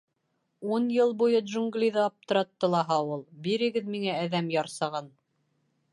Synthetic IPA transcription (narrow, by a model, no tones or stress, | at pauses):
unjɤlˠbujɤd̪ʒuŋɡlʲiðɤɑp̚t̪ɤ̆ɾɑt̪ːɤ̆lˠɑɦɑulˠbiɾɘ̆ɡɘðmiŋæːðæmjɑɾsɑʁɑn